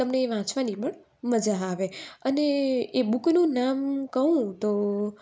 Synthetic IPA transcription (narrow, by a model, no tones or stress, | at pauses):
t̪əmneːʋãt͡ʃʋanipəɳ | məd͡ʒaːʋeəneebʊknũnamkəɦũt̪o